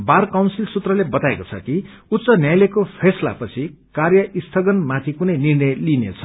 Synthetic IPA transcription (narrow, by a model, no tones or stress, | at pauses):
barkawnsilsut̪rʌlebʌt̪aekot͡sʰʌ̰ki | ut̪ːt͡sʌnjajlekopʰesla̰pʌt͡sʰikarjʌist̪ʰʌɡʌnmat̪ʰikunʌjnirnʌjlinḛt͡sʰʌ̥